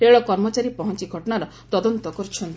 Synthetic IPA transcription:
ɾeɭɔkɔɾmɔt͡ʃaɾipɔɦɔnt͡ʃiɡʱɔʈɔnaɾɔ | t̪ɔd̪ɔnt̪ɔkɔɾt͡ʃʰɔnt̪i

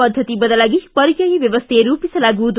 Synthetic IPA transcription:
ʌd̪ʱːət̪ibʌd̪alaɡipʌɾikjajibjeʋəst̪ʰeɾupisɐlaɡud̪

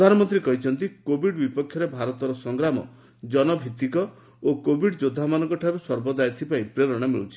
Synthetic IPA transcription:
d̪ʱanɔmɔnt̪ɾikɔɦit͡ʃʰɔnt̪ikobʱiɖbipɔkʰːjɔɾebʱaɾɔt̪ɔɾɔsɔŋɡɾamɔ̰ | d͡ʒɔnɔbʱit̪ikɔ | okobʱiɖd͡ʒod̪ʱːamanɔ̃ŋkɔʈʰaɾusɔɾbɔd̪ajɔt̪ʰibaipɾeɾɔɽ̃amḭɭṵt͡ʃʰi̥

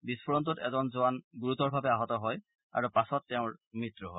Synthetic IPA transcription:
bispʰɔɹɔntutɛ̰zɔnzʊanɡuɹutɔɹbʱabɛaɦɔtɔɦɔj | a̰ɹupasɔtːɛʊ̃ɹmitːɹuɦɔj

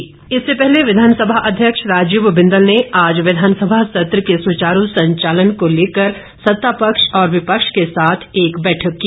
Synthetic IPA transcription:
ɪsːepɛɦleʋɪd̪ʱaːnsəbʱaʔɐd̪ʱjəkʃɾaːd͡ʒubbɪ̃nd̪əlneaːd͡ʒʋɪd̪ʱaːnsəbʱasɐt̪ɾəkesut͡ʃaːɾusɐ̃ɲt͡ʃaːlənkoleːkəɾ | sɐt̪ːapəkʃɔːɾʋɪpəkʃkesaːt̪ʰeːkbɛːʈʰəkːi

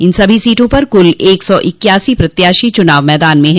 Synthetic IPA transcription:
ɪnsɐbʱisiːʈʰõpɐɾkʊleːksɔːʔɪkjaːsipɾɐt̪jaːʃit͡ʃʊnaːʋmɛːd̪aːnmẽɦɛ̃

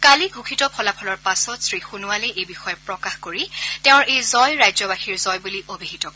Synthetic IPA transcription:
kaliɡʱukʰitɔpʰɔlapʰɔlɔɹpasɔtsɹixunʊwaleʔejbixɔjɔpɹɔkaxkoɹiteʊ̃ɹejzɔjɹajzɔbaxiɹzɔjbuliʔobʱiɦitɔk

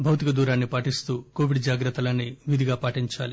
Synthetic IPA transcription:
bʱɐwt̪ikɐd̪uːɾaːnːipaːʈist̪uːko̞ːʋiɖd͡ʒaːɡɾɐt̪ːɐlɐnːiʋid̪ʱiɡaːpaːʈiɲt͡ʃa̰ːli

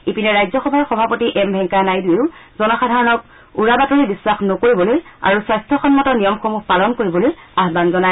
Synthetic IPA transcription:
ipinɛɹajzɔxɔbʱaɹxɔbʱapotiʔɛmbʱɛŋkanajdueʊzɔnɔxadʱaɹɔnɔk̚ | uɹabatɔɹibisːaxnokoɹibɔloja̰ɹuswajstʰɔxɔnmɔtɔnijɔmxomuhpalɔnkoɹibɔlojaɦbanzɔna

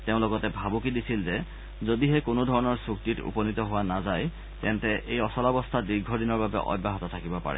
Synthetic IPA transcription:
teʊ̃lɔɡɔtɛbʱabukidisilzɛ | zodiɦɛkonodʱɔɹɔnɔɹsuk̚titṵpɔnitɔɦʊwanazaj | tɛntɛʔejɔsɔlɔbɔstʰadiɹɡʱɔdinɔɹbabɛ̰ʔɔ̰bːaɦɔtɔtʰakibɔpa̰ɹɛ̰

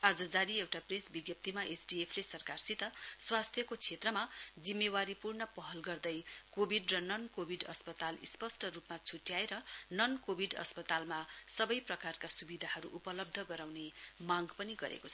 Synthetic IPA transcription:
ad͡zʌd͡zaɾiewʈapresbiɡjʌp̚t̪imaʔesɖiepʰlesʌrkarsit̪ʌswast̪ʰjʌkot͡sʰet̪rʌmad͡zimːewaɾipurnʌpʌɦʌlɡʌrd̪ʌjkobʱiɖrʌnʌnkobʱiɖʌ̰spʌt̪alḭspʌsʈʌrupmat͡sʰuʈjaeɾʌnʌnkobʱiɖʌ̰spʌt̪almasʌbʌjprʌkarkasubid̪ʱaɦʌɾṵʔupʌlʌb̚d̪ʱʌɡʌɾawnemaɡpʌniɡʌ̰ɾḛkot͡sʰʌʌ

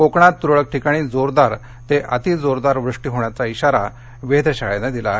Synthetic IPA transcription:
kokɳ̃at̪ːuɾɭək̚ʈʰikaɽ̃iːd͡zoɾd̪aɾ | t̪eʔət̪id͡zoɾd̪aɾʋɾuʂʈiːɦoɳ̃jat͡saiɕaɾa | ʋed̪əɕaɭenad̪ila̰

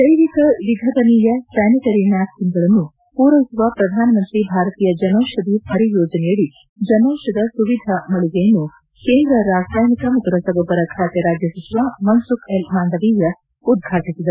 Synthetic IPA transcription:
d̪̥ɐjʋikɐʋiɡʱɐt̪ɐniːjɐsajnikɐɾinaːskiŋɡɐɭɐnːu | puːɾɐʋisuʋɐpɾɐd̪ʱaːnɐmɐnt̪ɾibʱaːɾɐt̪iːjɐd͡ʒɐnɐwʂɐd̪iɐɾijoːd͡ʒɐnɛjɐɭːi | d͡ʒɐnɐːʂɐd̪ɐsuʋid̪ʱɐmɐɭiɡ̪ejɐnːu | keːnd̪ɾɐɾaːsɾaːjnikɐmɐt̪uɾɐsɐbʱobɐɾɐkʰaːt̪jɐɾaːd͡ʒjɐsisuʋamɐnsukʰelmaːnd̪ɐʋijɐ | ud̪̚ɡʱaːʈisid̪ɐu

